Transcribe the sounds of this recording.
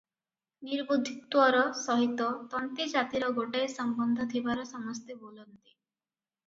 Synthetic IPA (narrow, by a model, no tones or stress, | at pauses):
niɾbud̪ʱit̪wɔɾɔsɔɦit̪ɔt̪ɔnt̪id͡ʒat̪iɾɔɡoʈajsɔmbɔnd̪ʱɔt̪ʰibaɾɔsɔmɔst̪ebolɔnt̪i̥